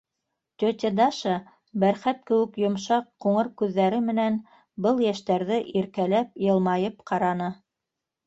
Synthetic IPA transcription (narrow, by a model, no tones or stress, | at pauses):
t̪ʲɵt̪ʲed̪ɑʃɑ | bæɾχæp̚kɘ̆wɘ̆kjŏmʃɑqːuɴɤɾkʉðːæɾɘmɘ̆næn | bɤlˠjæʃt̪æɾðɘʔiɾkælæp̚jɤ̆lˠmɑjɤpqʰɑɾɑnɤ